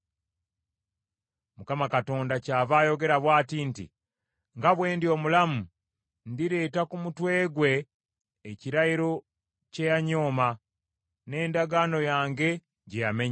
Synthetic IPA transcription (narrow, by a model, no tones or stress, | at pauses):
mukamakato̞ːndacaːβaːjo̞ɡe̞ɾaβwaːtintḭ | ŋɡaβwe̞ːndio̞ːmulamu | ndiɾe̞ːtakumutwe̞ːɡwe̞ː | ciɾaiɾo̞ | cejaɲo̞ːma | ne̞ːndaɡaːno̞jaːŋɡe̞ | ɟejame̞ɲ